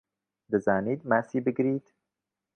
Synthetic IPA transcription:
d̪əzaːniːd̪mæsibɪɡɾiːt̪

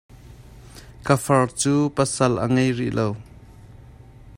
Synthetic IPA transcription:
kəfɐrt͡suːpəsɐlʔə̰ŋejrḭʔlow

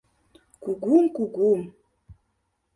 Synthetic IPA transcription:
kuɡumkuɡum

